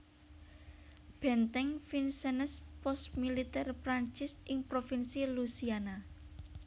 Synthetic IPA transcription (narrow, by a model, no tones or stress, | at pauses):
b̥ɛ̤nt̪ɛŋfinsɛnəspɔst̪milit̪ɛrpɾaɲt͡ʃɪsɪŋpɾofinsilusiana